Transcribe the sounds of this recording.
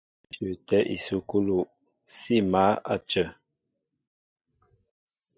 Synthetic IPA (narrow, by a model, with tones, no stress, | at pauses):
d͡ʒə˨tɛ˦ʔḭ˨su˨ku˦lu˨ʔ | si˦˨ma˨˦a̰˦˨t͡ʃə˨